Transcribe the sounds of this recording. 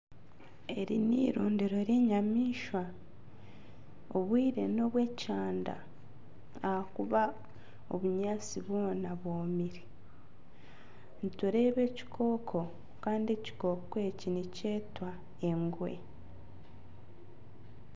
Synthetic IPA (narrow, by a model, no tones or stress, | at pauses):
e̞ɾḭnḭːɾuːndiɾo̞ɾje̞ːɲamiːʃwa | oβwiːɾe̞no̞βwe̞caːnda̰ː | hakuβa | o̞̰βuɲaːt͡siβwo̞ːnaβwoːmiɾi | nituɾe̞ːβe̞ːci̥kʰo̞ːkʰo̞ | kaːndie̞ci̥ko̞ːkwe̞ːcinice̞ːtwa | e̞ŋɡwe̞̰